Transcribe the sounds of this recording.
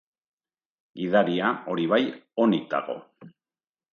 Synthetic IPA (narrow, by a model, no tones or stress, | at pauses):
ɡiðaɾiao̞ɾiβajo̞nik̚d̪a̰ɣo̞̰